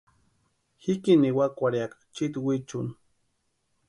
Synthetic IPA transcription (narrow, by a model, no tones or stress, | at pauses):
xikiniwakʷaɾjakḁt͡ʃit̪wit͡ʃuni